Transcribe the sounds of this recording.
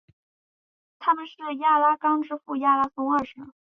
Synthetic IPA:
t̪ʰa˥mə˨nʂɻ̩˥˩ja˥˩la˥kɑ˥ŋʈ͡ʂɻ̩˥fu˥˩ja˥˧la˥sʊ˥ŋɐ˞˥˩ʂə˧˥ŋ

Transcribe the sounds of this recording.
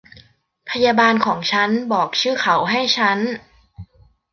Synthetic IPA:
pʰa˧jaː˧baː˧nkʰɔː˩˦ŋt͡ɕʰa˦˥nbɔː˨˩k̚t͡ɕʰɯː˥˩kʰa˩˦wɦa˥˩jt͡ɕʰa˦˥n

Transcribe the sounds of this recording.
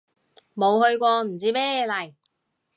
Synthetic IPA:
mo˨˧whɵ˧ɥkʷɔː˧m̩˨˩t͡siː˦˥mɛː˥jɛː˨˧lɐ˨˩j

